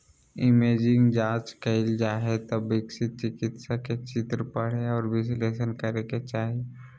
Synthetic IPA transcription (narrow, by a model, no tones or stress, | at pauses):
ɪmeːd͡ʒɪ̃ŋɡd͡ʒãːt͡ʃkɐɪld͡ʒaːɦet̪əbːɪksɪt̪̚t͡ʃɪkɪt̪saket͡ʃɪt̪ɾəpəɽ̤eɔːɾʋɪsleːʃənkəɾeket͡ʃaːɦi